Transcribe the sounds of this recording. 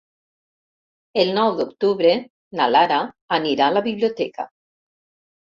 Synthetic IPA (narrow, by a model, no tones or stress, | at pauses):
elnɔwd̪okt̪uβɾe | nalaɾaː | niɾalaβiβliot̪ɛka̰